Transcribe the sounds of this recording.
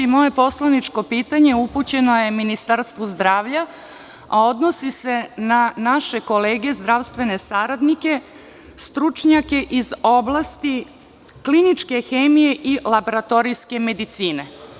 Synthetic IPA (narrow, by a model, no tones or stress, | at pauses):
imo̞je̞po̞slanit͡ʃko̞piːt̪aɲe̞uput͡ɕe̞no̞je̞minist̪aɾst̪ʋozd̪ɾaːʋʎa | ao̞d̪no̞sise̞nanaʃe̞ko̞leːɡe̞zd̪ɾaʋst̪ʋe̞ne̞saɾad̪nike̞ | st̪ɾut͡ʂɲake̞ʔizo̞blˠast̪i | klinit͡ʃke̞xeːmije̞ʔilˠaboɾat̪o̞ɾijske̞me̞d̪it̪siːne̞